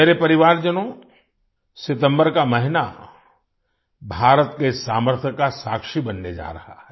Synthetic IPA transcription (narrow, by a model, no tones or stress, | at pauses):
ɛɾepɐɾɪʋaːɾd͡ʒənõ | sɪt̪ə̃mbəɾkamɐɦɪna̰ | bʱaːɾət̪kesaːməɾt̪ʰjəkːasaːkʃibɐnːed͡ʒa̰ːɾɐha̰ɦɛː